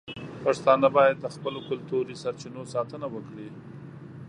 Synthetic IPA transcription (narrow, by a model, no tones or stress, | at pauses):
paʂt̪ɑnabɑjad̪ːəxpəlokʊlt̪oɾisaɾt͡ʃinosɑt̪ənawəkɽi